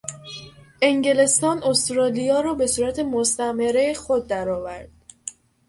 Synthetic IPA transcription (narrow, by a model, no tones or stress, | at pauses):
ʔe̞ŋɟe̞le̞st̪ɒːnost̪ɾɒːlijɒːɾɒːbe̞suːɾæt̪ʰe̞most̪æmeɾexo̞d̪̚ːæɾɒːvæɾd̪̥